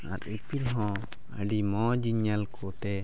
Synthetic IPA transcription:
a̰ɾipiɾɦɔ̃ | ə̰ɖimɔd͡ʒiɲalkʰɔt̪ɛ

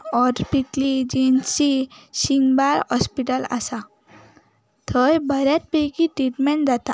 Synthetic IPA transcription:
ɔɾpiklid͡ʑensisiŋɡbaɾhɔspiʈəla̰sa | t̪ʰəjbəɾjat̪̚pekiʈɾiʈmɛɳd͡zat̪a̰

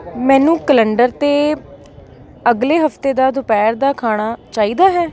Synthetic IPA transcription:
mɛ̃ːnũːkələɳɖəɾt̪eː | əɡleːɦəft̪eːd̪aːd̪ʊpɛːɾd̪aːkʰaːɽ̃aːt͡ʃaːiːd̪aːɦɛː

